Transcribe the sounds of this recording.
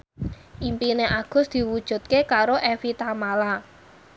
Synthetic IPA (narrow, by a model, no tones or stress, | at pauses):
ʔimpineʔaɡ̥ʊ̤sd̪̥i̤wud̥ʒ̥ṳt̪̚kekaɾoʔefit̪amala